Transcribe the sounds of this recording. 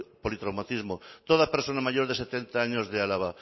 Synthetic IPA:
polit̪ɾawmat̪izmot̪oð̞apeɾsonamaʝoɾðeset̪ent̪aaɲozðealaβ̞a

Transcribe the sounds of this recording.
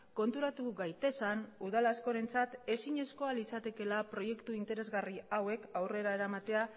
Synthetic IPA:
ko̞nt̪uɾat̪uɣajt̪e̞sanuðalasko̞ɾe̞nt͡sat̪e̞siɲe̞sko̞alit͡sat̪e̞ke̞lapɾo̞je̞kt̪uint̪e̞ɾe̞zɣariawe̞kawre̞ɾae̞ɾamat̪e̞a

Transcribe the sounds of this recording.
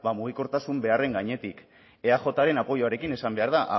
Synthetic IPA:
bamuɣ̞iko̞ɾt̪asumbe̞are̞ŋɡaɲe̞t̪ik | e̞axo̞t̪aɾe̞napo̞joaɾe̞kine̞sambe̞aɾð̞aʔa

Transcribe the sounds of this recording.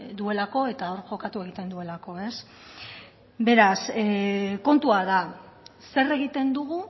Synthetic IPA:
d̪ue̞lako̞e̞t̪aoɾʝo̞kat̪ue̞ɣ̞it̪e̞nd̪ue̞lako̞e̞s | be̞ɾas | ko̞nt̪uaðase̞re̞ɣit̪e̞nd̪uɣ̞u

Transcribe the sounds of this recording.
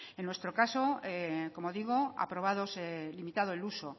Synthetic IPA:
enwe̞st̪ɾo̞kasoeko̞mo̞ðiɣ̞oa̰pɾo̞β̞aðoselimit̪að̞oeluso

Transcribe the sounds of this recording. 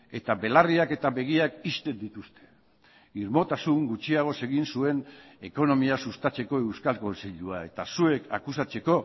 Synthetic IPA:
e̞t̪aβe̞lariake̞t̪aβe̞ɣ̞iakist̪e̞nd̪it̪ust̪e̞̥ | iɾmo̞t̪asuŋɡut͡ʃiaɣ̞o̞se̞ɣinsue̞ne̞ko̞no̞miasust̪at͡se̞ko̞e̞wskalko̞nsiʎuae̞t̪asue̞ka̰kusat͡se̞ko̞

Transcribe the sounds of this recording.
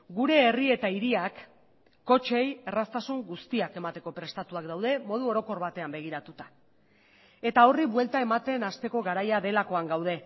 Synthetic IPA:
ɡuɾe̞ːrie̞t̪aiɾiakː | o̞t͡ʃe̞jerast̪asuŋɡust̪iake̞mat̪e̞ko̞pɾe̞st̪at̪uakd̪awð̞e̞mo̞ð̞uo̞ɾo̞ko̞ɾβat̪e̞ambe̞ɣ̞iɾat̪ut̪ḁ | e̞t̪ao̞riβwe̞lt̪ae̞mat̪e̞nast̪e̞ko̞ɣaɾajaðe̞lako̞aŋɡawð̞e̞

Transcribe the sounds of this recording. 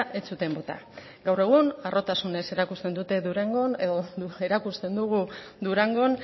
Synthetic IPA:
ʔe̞t͡sut̪e̞mbo̞t̪a̰ | ɡawre̞ɣ̞unarʔo̞t̪asune̞se̞ɾakust̪e̞nd̪ut̪e̞ðuɾeŋɡo̞ne̞ðoue̞ɾakust̪e̞nd̪uɣ̞u | d̪uɾaŋɡo̞n

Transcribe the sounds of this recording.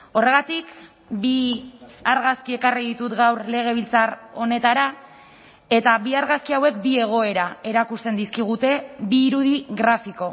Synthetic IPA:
o̞re̞ɣat̪ik | bi | aɾɣaskie̞kariðit̪ut̪ɡawɾle̞ɣ̞e̞β̞ilt͡saro̞ne̞t̪aɾa | e̞t̪aβiaɾɣaskiawe̞kbie̞ɣ̞o̞e̞ɾae̞ɾakust̪e̞nd̪iskiɣ̞ut̪e̞biːɾuðiɣɾafiko̞

